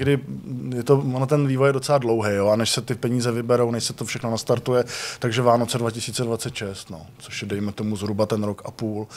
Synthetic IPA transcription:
ɡdɪjɛt̪o̞vonot̪ɛnviːvo̞jɛdo̞t͡sɛladlo̞wɦɛjjo̞anɛʃsɛt̪ɪpɛɲiːzɛvɪbɛɾo̞wnɛʃsɛt̪ofʃɛxno̞nast̪aɾt̪ujɛt̪aɡʒɛvaːnot͡sɛdvacɪsiːt͡sɛdvat͡sɛt̪ʃɛst̪no̰ːt͡soʃjɛdɛjmɛt̪omuzɦɾubat̪ɛnɾokʔapuːl

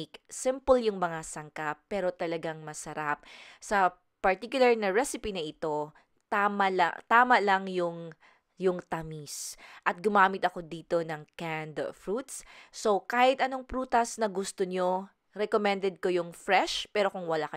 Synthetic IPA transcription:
ksɪmpəljʊŋmɐŋasɐŋkapːɛːɾo̞t̪ɐlɐɡaŋmɐsɐɾap̚sɐ | pɐɹt̪ikjʊlɐɹnɐɹɛsɪpinɐʔɪt̪o̞ | t̪amɐlɐ̰t̪aːmɐʔlɐŋjʊŋ | jʊŋt̪ɐmisʔɐt̪̚ɡʊmaːmɪt̪ɐko̞d̪iːt̪o̞nɐŋkand̪fɾut̪̚sso̞kaːhɪt̪ʔɐno̞ŋpɾuːt̪ɐsnɐɡʊst̪oɲo̞ | ɾɛkomɛ̃nd̪ɛd̪̚ko̞jʊŋfɾɛʃpɛːɾo̞kʊŋwɐlakɐ

